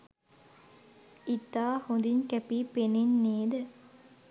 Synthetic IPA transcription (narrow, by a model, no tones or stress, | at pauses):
it̪aːhond̪iɲkæpiːpenenːeːd̪ə